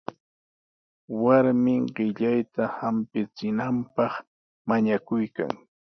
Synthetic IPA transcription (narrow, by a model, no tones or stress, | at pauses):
waɾmɪŋɢɪʎajt̪ahampɪt͡sɪnampɑχ | maɲakʊjka̰ŋ